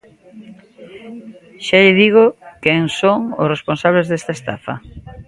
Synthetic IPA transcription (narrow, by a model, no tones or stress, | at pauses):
ʃaʎɪðiɣ̞ʊkeŋsoŋʊ̰sresponsaβlezðest̪ɐest̪a̰fɐ̰